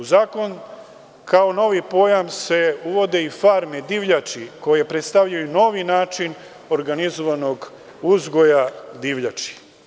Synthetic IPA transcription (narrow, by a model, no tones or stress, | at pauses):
uzaːko̞n | kao̞no̞ʋipo̞jamse̞uʋo̞d̪e̞ifaɾmed̪iʋʎat͡ʃiko̞jejepɾe̞t̪st̪aʋʎajuno̞ʋinaːt͡ʃin | o̞ɾɡanizoʋano̞ɡ | uzɡo̞jad̪iʋʎat͡ʃi̥